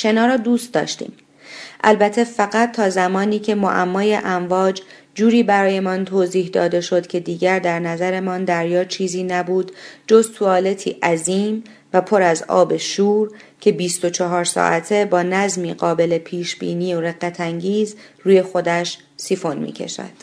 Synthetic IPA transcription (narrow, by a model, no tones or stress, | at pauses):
ʃe̞nɒːɾɒːd̪uːst̪̚d̪ɒ̰ːʃt̪ḭːm | ʔælbæt̪ʰefæɣæt̪ʰːɒːzæmɒːniːcʰe̞mo̰ʔæmːɒːje̞ʔæɱvɒːd͡ʒ | d͡ʒuːɾiːbæɾɒːje̞mɒnt̪ʰoːziːhd̪ɒ̰ːd̪e̞ʃo̞d̪cʰe̞d̪iːɟæɾd̪æɾnæzæɾe̞mɒnd̪æɾjɒːt͡ʃʰiːziːnæbuːd̪d͡ʒo̞zt̪ʰuɒːle̞t̪ʰḭːʔæziːm | væpʰo̞ɾæzɒ̰ːbe̞ʃuːɾcʰe̞biːst̪o̞t͡ʃʰɒɦɒːɾsɒ̰ːʔæt̪ʰe̞bɒːnæzmiːɢɒːbe̞le̞pʰiːʃb̥ḭːniːoɾe̞ɡæt̪ʰæŋɟiːzɾuːje̞xo̞d̪æʃ | sifo̞nmḭːcʰe̞̰ʃæ̰d̪̥